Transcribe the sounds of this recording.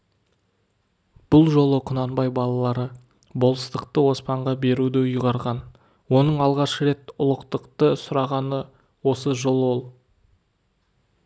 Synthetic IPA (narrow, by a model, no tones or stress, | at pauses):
b̥ʊlˠʒo̞lˠəqʰʊnɑnbɑjbɑlˠɑlˠɑɾə | bo̞lˠəst̪əqt̪əwo̞spɑɴʁɑbe̞ɾud̪ɪjʊʁɑɾʁɑn | wo̞nəɴɑlˠʁɑʃəɾe̞t̪ʊlˠəqt̪əqt̪əsʊɾɑʁɑnə | wo̞səʒo̞lˠwo̞lˠ